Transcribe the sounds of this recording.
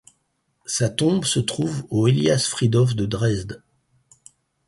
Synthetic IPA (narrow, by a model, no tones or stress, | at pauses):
sat̪ɔ̃bsət̪χuvoeliasfχid̪ɔfd̪əd̪ʁɛzd̪